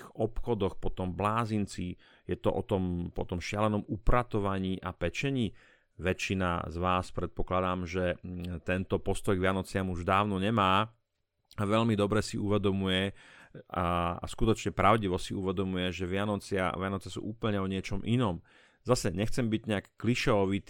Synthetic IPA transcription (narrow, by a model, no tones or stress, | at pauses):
iɔpxɔd̪ɔxpɔt̪ɔmblaːzint͡si | jɛt̪ɔ̰ʔɔ̰t̪ɔmpɔ̰t̪ɔmʃɪalɛnɔmupɾat̪ɔʋaɲiːʔapɛt͡ʃɛɲiː | ʋɛt͡ʃina̰zʋaːspɾɛt̪̚pɔklad̪aːmʒɛt̪ɛnt̪ɔpɔst̪ɔjɡʋɪanɔt͡sɪamuʒd̪aːʊnɔɲɛmaː | aʋɛʎmid̪ɔbɾɛsiuʋɛd̪ɔmujɛ | a̰skut̪ɔt͡ʃɲɛpɾaʊɟiʋɔsiuʋɛd̪ɔmujɛʒɛʋɪanɔt͡sɪa̰ʋɪanɔt͡sɛsṵːʔuːpl̩ɲɛɔɲɪɛt͡ʃɔmʔinɔm | zasɛɲɛxt͡sɛmbiɟɲɛakːliʃɛɔʋit̪